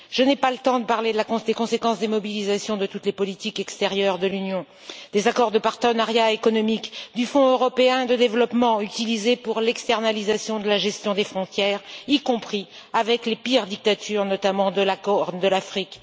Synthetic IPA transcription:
ʒ̥ənɛpalət̪ɑ̃d̪əpaʁled̪əlakɔ̃d̪ekɔ̃sekɑ̃sd̪emɔbilizasjɔ̃d̪ət̪ut̪lepɔlit̪ikɛkst̪ɛʁjœʁd̪əlynjɔ̃ | d̪̥ezakɔʁd̪əpaʁt̪ənaʁjaekɔnɔmikd̪yfɔ̃øʁɔpeɛ̃d̪əd̪evlɔpmɑ̃yt̪ilizepuʁlɛkst̪ɛʁnalizasjɔ̃d̪əlaʒɛst̪jɔ̃d̪efχɔ̃t̪jɛːʁikɔ̃pχi | avɛklepiʁd̪ik̚t̪at̪ʰyʁnɔt̪amɑ̃d̪əlakɔʁd̪əlafχik

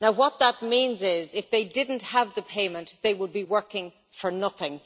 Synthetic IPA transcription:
naʊwʌt̪̚ðət̚mĩnzɪzɪfðeɪdɪdⁿn̩thəvðəpʰeɪmə̃nʔðeɪwəd̚biwɜ˞kɪ̃ŋ | fə˞nʌθɪ̃ŋ

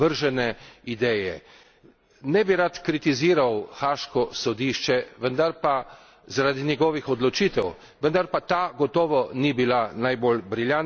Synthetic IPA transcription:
əɾʒɛnɛid̪ɛːjɛ̰ | nɛbiɾat̪kɾit̪iziːɾawxaːʃkɔsɔd̪iʃt͡ʃɛʋənd̪aɾpa | zaɾad̪inʲjɛɡɔːʋixɔd̪lɔt͡ʃiːt̪ɛw | ʋənd̪aɾpat̪aːɡɔt̪ɔːʋɔnibilanajbolbɾiljan

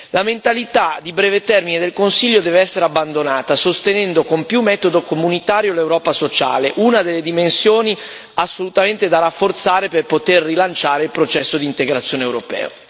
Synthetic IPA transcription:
lament̪alit̪ad̪ibɾɛːvet̪ɛrmined̪elkonsiʎːod̪ɛːveɛsːeɾeabːand̪onaːt̪asost̪enɛnd̪okompjumːɛt̪od̪okomunit̪aːɾjolewɾɔːpasot͡ʃa̰ːleʔunad̪elːed̪imensjoːni | asːolut̪ament̪ed̪aɾafːort̪saːɾeperpot̪erːilant͡ʃaːɾeilpɾot͡ʃɛsːod̪iːnt̪eɡɾat̪sːjoːneewɾopɛ̰ːo̰

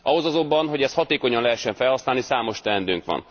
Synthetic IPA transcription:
ʔɒɦo̞zɒzo̞mbːɒnɦo̞ɟɛst̪hɒt̪eːko̞ɲɒnlɛɦɛʃːɛɱfɛlhɒsnaːlnisaːmo̞ʃt̪ɛnd̪yŋkʋɒ̰n

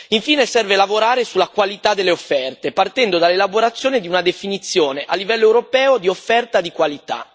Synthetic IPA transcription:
iɱfiːnesɛrvelavoɾaːɾesulːakwalit̪ad̪ːelːeofːɛrt̪epart̪ɛnd̪od̪alːelaboɾat̪sːjoːned̪iunad̪efinit̪sːjoːneʔalːivɛlːoɛwɾopɛːod̪iofːɛrt̪ad̪ikwalit̪a̰

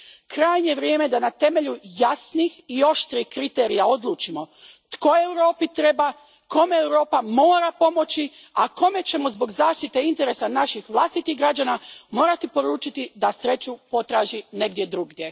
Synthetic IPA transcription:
kɾaːjɲe̞ʋɾjeːme̞d̪anat̪e̞me̞ʎujasnixio̞ʃt̪ɾixkɾit̪eːɾijaod̪lˠuːt͡ʃimo̞ | t̪ko̞ewɾo̞ːpit̪ɾe̞ba | ko̞me̞ːwɾo̞ːpamo̞ːɾapo̞mo̞t͡ɕi | ako̞me̞t͡ɕe̞mo̞zbo̞ɡzaːʃt̪it̪e̞int̪e̞ɾesanaʃixʋlˠast̪it̪iɣɡɾad͡ʑanamo̞ːɾat̪ipo̞ɾuːt͡ʃit̪id̪asɾe̞t͡ɕupo̞t̪ɾaːʒine̞ɡd̪je̞d̪ɾuɡdʲje̞

